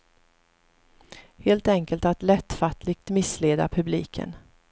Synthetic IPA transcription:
heːlt̪ɛŋkəlt̪at̪lɛt̪ːfat̪ʰlɪɡ̚t̪mɪsːleːd̪a̰pʰɵbliːkʰə̰n

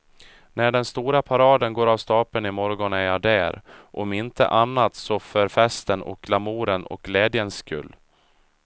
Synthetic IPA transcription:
næɖɛnst̪uːɾapʰaɾɑːd̪ənɡoːɾavst̪ɑːpənɪmɔɾɡɔnæɾjɑd̪æːɾʔɔmɪnt̪ʰə̰ʔanːat̪sɔfœɾfɛst̪ənɔ̰k̚ɡlamuːɾənɔ̰k̚ɡlɛːd̪jənsːkɵ̰lː

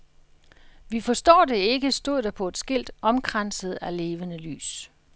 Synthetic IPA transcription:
ʋifɒ̽sd̥ɒ̰ːd̥e̝e̝ɡ̥əsd̥o̝ð̰ˠd̥ɑpʰɒ̽e̝d̥sɡ̥e̝l̰d̥ɒ̽mɡ̥ʰʁansəð̞̩ˠæle̝ːʋənəly̰ːs

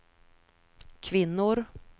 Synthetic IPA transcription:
kʰvɪnːʊɾ

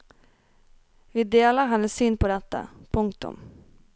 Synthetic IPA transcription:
vɪd̪eːlaɾɦanːɛsyːnpʰɔɾɛt̪ːa̰pʰɵŋk̚t̪ʊ̰m

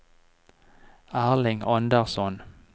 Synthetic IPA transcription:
æːʁlɪŋɔnd̪əʁsɔn

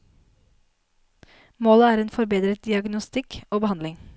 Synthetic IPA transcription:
moːləæːɾeːnfɔɾbeːd̪ɾət̪̚d̪ɪɑɡnʊst̪ɪkoːbəhɑnd̪lɪŋ

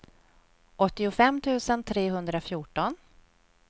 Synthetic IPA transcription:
ɔt̪ːɪʊfɛmːt̪ʰʉ̟ːsənt̪ʰɾeːɦɵnd̪ɾafjuːʈɔn

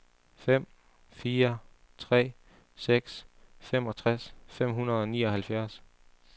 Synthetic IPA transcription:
fem̰ | fiːɐ | t͡sʰʁɛ̰ː | seɡ̥sfem̰ɒ̽t͡sʰʁasfem̰ɦunɐðˠɒ̽nḭːɒ̽hælfjæɐs

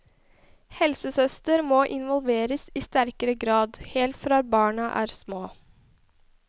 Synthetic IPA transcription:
hɛlsəsœst̪əɾmoːʔɪnʋɔlʋeːɾəsiːst̪æɾkəɾəɡɾɑːd̪heːlt̪fɾɑːbɑːɳɑʔæ̰ːɾsmoː

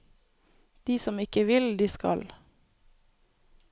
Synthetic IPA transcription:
d̪̥iːsɔmɪkəʋɪld̪iːskɑ̰l

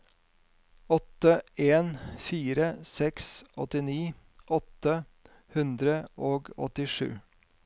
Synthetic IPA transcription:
ɔt̪əeːnfiːɾəsɛksʔɔ̰t̪ɪniː | ʔɔt̪ə | hʉnd̪ɾəʔoːɡɔ̰t̪ɪʂʉ̰ː

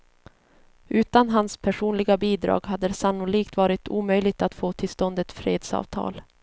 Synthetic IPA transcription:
ʔʉ̟ːt̪anɦanspʰæʂuːnlɪɡabiːd̪ɾɑ̰ːɡɦad̪ːəsanːʊliːkt̪vɑːɾɪt̪uːmœjlɪɡ̚t̪at̪foːt̪ʰɪlst̪ɔnd̪ɛt̪fɾeːd̪sɑ̰ːvt̪ʰɑ̰ːl

